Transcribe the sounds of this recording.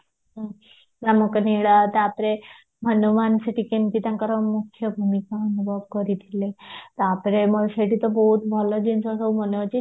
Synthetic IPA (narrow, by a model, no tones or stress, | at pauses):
ɦə | naməkniɭat̪apɾe | mʱənumanseʈikenk̪it̪jãŋkəɾəmukʰjəbʱumikaːnubʱəbkəɾit̪ilet̪apɾeməɡɕeʈit̪əboɦut̪bʱɔləd͡ʑinsasəwm̤ənoat͡ɕi